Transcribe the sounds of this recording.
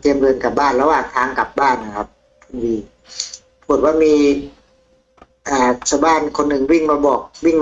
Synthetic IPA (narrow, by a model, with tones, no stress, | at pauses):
t̪ʰi˧əmɾɤː˧nka˨˩p̚baː˥˩nlɛː˧˦˥waː˨˩ŋt̪ʰaː˦˥ŋka˨˩p̚baː˥˩nːa˧kʰa˦˥p̚ | kʰu˧ndiː˧ | pʰu˨˩t̪̚waː˥˩miː˧ | ʔaː˨˩t͡ɕʰaː˧˩wbaː˥˩nkʰo˧nːɯ˨˩ŋwi˥˩ŋmaː˧bɔː˨˩k̚wi˥˩ŋm